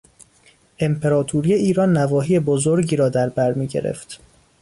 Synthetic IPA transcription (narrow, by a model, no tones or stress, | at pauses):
ʔe̞mpʰeɾɒːt̪ʰuːɾije̞iːɾɒːnːævɒːɦiːje̞bozoɾɟiːɾɒːd̪æɾbæɾmiːɟḛɾḛft̪